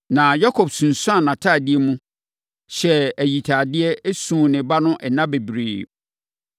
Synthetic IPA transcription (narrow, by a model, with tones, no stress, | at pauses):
nã˨ja˦kʰɔ˨bsũ˨n˨sũ˦a˨nã˨tʰa˦˨dɪ˦ɛ˦mũ˦ | ɕɛ˦æ˨ji˨tʰa˨dɪ˦ɛ˦e˦sũː˨nɪ̃˨ba˦nʊ̃˦ʔɛ˨nã˦be˨bɾiː˨